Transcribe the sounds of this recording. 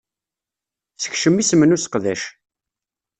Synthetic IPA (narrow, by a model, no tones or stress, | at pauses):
θə̥çʃəmːisəmənusqðæʃ